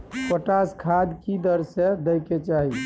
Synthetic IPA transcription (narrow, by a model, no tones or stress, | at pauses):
kəʈaskʰad̪kid̪əɾsed̪əjket͡ʃaɦi